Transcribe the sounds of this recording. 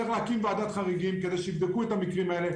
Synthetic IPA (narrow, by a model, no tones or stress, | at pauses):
eχleakimvead̪at̪χaʁiɡimked̪ejʃeivd̪ekuet̪amikʁimaele̞